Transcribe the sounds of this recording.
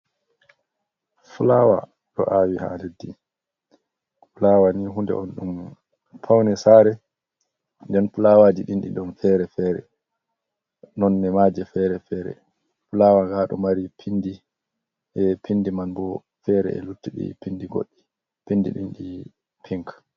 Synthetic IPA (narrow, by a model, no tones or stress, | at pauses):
fulawa̰ | ɗɔ̰ʔaːwiha̰nedːi | fulawaniɦundɛ̰ʔɔnɗum | pʰawnɛsaːɾɛ | ndɛnfulawaːd͡ʒiɗinɗḭɗɔnfɛɾɛfɛːɾɛ̰ | nɔnːɛmad͡ʒɛfɛɾɛfɛːɾɛ̰ | fulawaŋɡaɗɔ̰maɾipʰindi | ʔɛpʰindimanbɔ | fɛɾɛ̰ɛ̰lutːiɗḭpindiɡo̰ɗːi | pindḭɗinɗi | pʰiŋk